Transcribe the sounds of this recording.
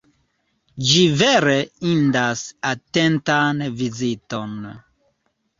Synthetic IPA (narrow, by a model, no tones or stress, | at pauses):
d͡ʒiveɾeindasatentanviziton